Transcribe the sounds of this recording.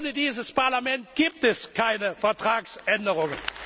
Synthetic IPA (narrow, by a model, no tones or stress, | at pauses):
nədiːzəspaɐlamɛnt̚ɡ̥iːp̚tɛskʰaɪnəfɛɐtʁ̥aːksʔɛndəʁʊŋən